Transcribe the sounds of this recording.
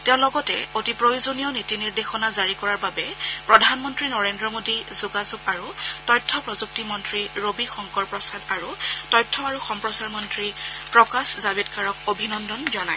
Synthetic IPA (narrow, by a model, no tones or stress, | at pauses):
tɛʊ̃lɔɡɔtɛ̰otipɹojozonijɔnitiniɹdexɔnazaɹikɔɹaɹbabɛpɹɔdʱanmɔntɹinɔɹendɹɔmodizuɡazuɡaɹutɔjtʰːɔpɹɔzuk̚timɔntɹiɹobixɔŋkɔɹpɹɔsadaɹutɔjtʰːɔaɹuxɔmpɹɔsaɹmɔntɹipɹɔkaszabedkaɹɔk̚obʱinɔndɔnzɔnaj